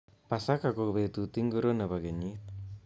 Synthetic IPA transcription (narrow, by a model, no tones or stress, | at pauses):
pasakakobet̪ut̪iŋɡɔɾonaβaɡeɲit̪̚